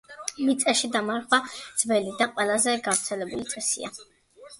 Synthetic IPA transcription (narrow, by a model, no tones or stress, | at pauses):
mit̪sʼɛʃid̪amaɾχwad̪z̥bɛlid̪aqʼwɛlˠazɛɡavɾt̪sʰɛlɛbulit̪sʼɛsḭa̰